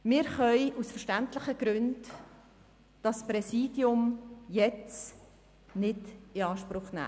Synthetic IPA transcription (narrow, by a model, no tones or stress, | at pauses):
mɪːɾχœʏʔusfəʃtæntlɪχəɡ̥ɾʉnd | d̥ɑsprɛsiːdjʊmjɛt͡s | nɪdɪɑːʃpɾʊχnæ̰ː